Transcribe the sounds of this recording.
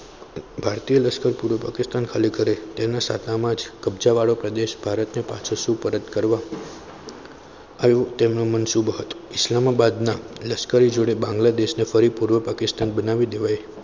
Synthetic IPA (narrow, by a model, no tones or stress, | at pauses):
bʱaɾt̪ijələskəɾpuɾʋəpakɪst̪ankʰəlikəɾet̪enasa̰t̪amãd͡ʒkəbd͡ʒaʋaɭopɾəd̪eʃbʱaɾət̪nepa̰t͡ʃʰusũpəɾəd̪kəɾʋa | jũt̪emnũmənsubəɦət̪oɪslamabad̪naləskəɾid͡ʒoɽebãŋɡlad̪eʃnefəɾipuɾʋəpakɪst̪anbənaʋid̪eʋaj